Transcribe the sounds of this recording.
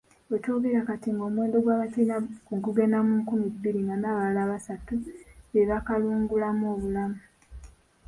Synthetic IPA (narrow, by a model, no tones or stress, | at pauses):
ecoɡeɾakatiŋɡo̞ːmweːndo̞ɡwaːβatiːnakuŋkuɡenamuŋkumibːiɾiŋɡanaːβalaːβasatujeβakaluːŋɡulamoːβulamu